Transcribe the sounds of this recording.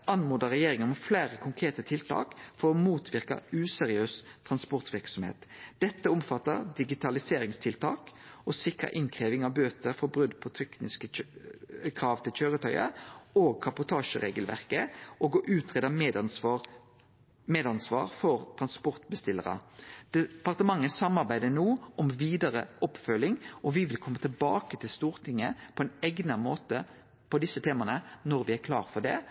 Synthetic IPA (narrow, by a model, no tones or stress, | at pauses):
ʔɑnmuːd̪əɾɛjeːɾɪŋənmflæːɾəkʰʊŋkʰʁeːt̪ət̪ʰɪlt̪ʰɑ̰ːkfɔɾɔmuːt̪ʰʋɪʁkɑ̰ʉːsɛɾɪøːst̪ʰːʁɑnspʊʁt̪ʋɪʁksɔmhḛːt̪d̪̥ɛt̪ːəʊmfɑt̪ːəʁd̪ɪɡɪt̪ʰɑlɪseːɾɪŋst̪ʰɪlt̪ʰɑ̰ːk | ɔsɪkɾə̰ʔɪŋkʰʁeːʋɪŋɑʋbøːt̪əɾfɔbʁʉd̪pʰɔt̪ʰɛknɪskə | kʰɾɑːʋt̪ʰɪlçøːɾət̪ʰœʏə̰oːɡ̚kʰɑpʊt̪ʰɑːʂə̰ɾḛːɡəlʋæ̰ʁkəʔoːɡɔʔʉːt̪ʰʁeːd̪əmed̪ | meːd̪ɑnsʋɑ̰ːɾfɔɾt̪ʰɾʁɑnspɔʁt̪bəst̪ɪlːə̰ʁə̰d̪̥ɛpɑʁt̪əmɑŋːəsɑmːɑɾbæɪd̪ənoːɔmʋiːd̪ɑɾəʔɔpːfœlːɪŋʔɔʋɪʋɪlkʰɔmːət̪ʰɪlbɑ̰ːkət̪ʰɪlst̪uːɾt̪ʰɪŋːəpʰɔɛɪnɛɡnəmoːt̪ə | pʰɔd̪ɪsːət̪ʰeːmɑnənɔɾʋɪæɾkʰlɑ̰ːʁfɔɖɛ̰ː